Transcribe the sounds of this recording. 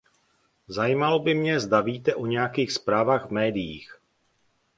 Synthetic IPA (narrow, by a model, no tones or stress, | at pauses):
zajiːmalobɪmɲɛzdaviːt̪ɛʔo̞ɲɛjakiːxspɾaːvaːɣvmɛːdɪjḭːx